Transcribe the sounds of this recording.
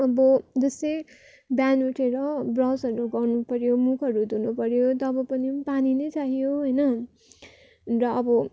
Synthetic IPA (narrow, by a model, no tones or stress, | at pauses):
ʌbʌd͡zʌsʌj | bjanuʈʰeɾʌbrʌsʌɾuɡʌrnupʌɾjomukʰʌɾud̪unupʌɾjot̪ʌbʌpʌnipaninʌjt͡saɦijoɦojnʌ | rʌːbʌ